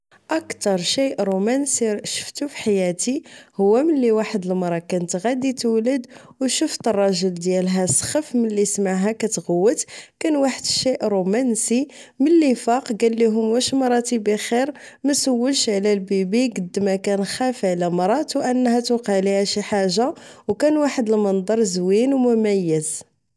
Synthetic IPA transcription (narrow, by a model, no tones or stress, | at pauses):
ʔɑkt̪ɑɾˤʃiʔɾumænsiʃə̥ft̪ufi̥ħajæt̪ihʊwːæməlːiwaħəd̪əlmɑɾˤɑkænt̪ɣæd̪it̪wlːəd̪wʃuft̪ərˤːɑʒəld̪jælɦæsˤxəfməlːismaʕɦækæt̪ɣəwːət̪kænwaħəd̪əʃiʔɾˤumænsiməlːifɑqɡælːiɦʊmːæʃmɾˤɑt̪ibixiɾ | mæsəwːəlʃʕlælbibiɡəd̪ːmækænxæfʕlæmɑɾˤɑt̪wʔənːhæt̪uqɑʕliæʃiħaʒawkænwaħəd̪əlmɑnd̪ˤɑɾˤzwinwmʊmæjːəz